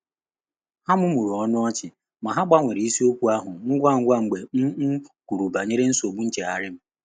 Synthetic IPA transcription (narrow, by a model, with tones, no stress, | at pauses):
ha˦mʊ˦mu˨ɾu˨ɔ˦nʊ˦ɔ˦t͡ʃɪ˨ | ma˨ɦa˦ɡ͡ba˦ŋʷe˨ɾi˨˦i˦si˦o˦kʷu˦a˦ɦʊ˨ŋ̩˦ɡʷa˦˨ŋ̩˦ɡʷa˦ŋ͡m̩˨ɡ͡be˨m̩˦ku˨ɾu˨ba˨ɲe˦ɾe˦n̩˦so˨ɡ͡bu˦n̩˦t͡ʃe˨a˨ɾɪ˦m̩˦